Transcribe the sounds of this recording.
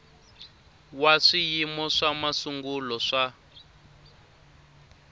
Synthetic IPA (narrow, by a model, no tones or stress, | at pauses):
waʂijimɔʂamasuŋɡulɔʂa